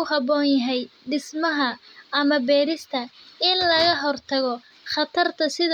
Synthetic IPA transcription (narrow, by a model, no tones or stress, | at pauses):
ʊhɑbɔːnjɐɦɛjɖɪsmɐɦɐːmɐbɛːɾɪst̪ʰɐɪnlɐɣɐɦɔrt̪ʰɐɣɔ | χɑt̪ʰɐrt̪ʰɐsɪð